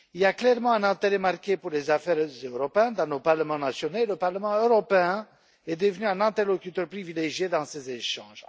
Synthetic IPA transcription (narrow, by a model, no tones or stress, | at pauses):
iliaklɛʁmɑ̃ɛ̃nɛ̃t̪eʁɛmaʁkʲepuʁlezafɛʁzøʁɔpeɛ̃d̪ɑ̃nopaʁləmɑ̃nasjɔnoeləpaʁləmɑ̃øʁɔpeɛ̃ | ɛd̪əvənyɛ̃nɛ̃t̪ɛʁlɔkʲyt̪œʁpχivileʒjed̪ɑ̃sezeʃɑ̰̃ʒ